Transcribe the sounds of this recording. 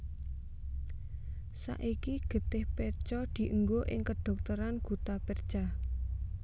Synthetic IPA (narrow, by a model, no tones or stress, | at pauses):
sa̰ʔikiɡ̥ə̤t̪ɪhpɛrt͡ʃɔd̪̥i̤ʔuŋɡoʔɪŋkəɖ̪̥ɔ̤k̚t̪əɾanɡ̥ṳt̪apɛrd̥ʒ̥a